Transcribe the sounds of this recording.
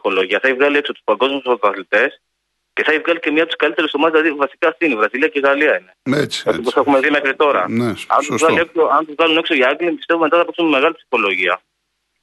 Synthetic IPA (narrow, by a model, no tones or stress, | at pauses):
ixo̞lo̞ʝiɐθɐivɣɐlie̞ksot̪u̥spɐɡo̞zmust̪oɾɐθlit̪e̞s | ceθɐivɣɐlice̞mɲɐp̚t̪uskɐlit̪e̞ɾusðomɐzilɐðivɐsiciɐsθinivɾɐziliɐceɣɐliɐineet͡sɐt̪iosexumeðimexɾit̪o̞ɾɐ̰nɐ̰nuzvɣɐlieksoɐnt̪uzvɣɐlune̞kso̞iɐɡlipist̪evumt̪ɐθɐpksumeme̞ɣɐlipsi̥xo̞lo̞ʝiɐ